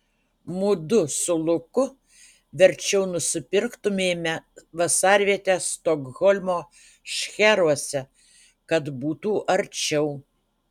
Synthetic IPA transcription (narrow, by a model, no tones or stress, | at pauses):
mʊd̪ʊsʊlˠʊkʊ | ʋʲɛɾʲt͡ʃʲɛʊnʊsʲɪpʲɪɾkt̪ʊmʲeːmʲɛʋɐsɑːɾʲʋʲiɛt̪ʲeːst̪oɡɣɔlʲmoː | ʃʲxʲæɾuɔsʲɛ | kɐt̪buːt̪uːʔɐɾʲt͡ʃʲɛʊ